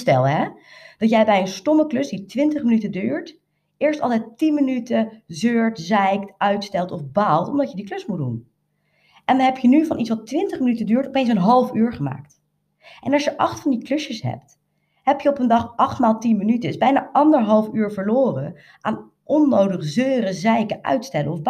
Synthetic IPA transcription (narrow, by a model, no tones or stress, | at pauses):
stɛlˠɦɛd̥ɑtjɛjbɛjənstɔməklɵsditʋɪntəχmənytədyːɹt | ʔɪːɹstɑ̰lˠtɛjttinmənytəzøːɹtzɛjktœɥtstɛlˠtɔfbaːlˠtɔmdɑtjədiklɵsmut̚dṵn | ʔɛndɑnɦɛpjənyvɑnʔitsʋɑtʋɪntəχmənytədyːɹtɔpejns̬ənɦɑlˠfyːɹχəma̰ːkt | ʔɛnɑlˠʃjəʔɑχtfɑndiklɵsjəsɦɛ̰p̚t | ɦɛpjəɔpəndɑχʔɑχtmaːlˠtinmənytəsbɛjna̰ːʔɑndəɹɦɑlˠfyːɹvəɹloːrə̰n | ʔaːn | ɔnːowdəχzøːɾəzɛjkəʔœ̰ɥtstɛləɔfb